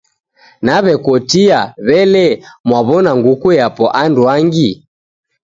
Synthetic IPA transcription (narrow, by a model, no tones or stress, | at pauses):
naβɛkwɔtiaβɛlɛmwaβɔnaŋɡukujapɔʔandwaŋɡi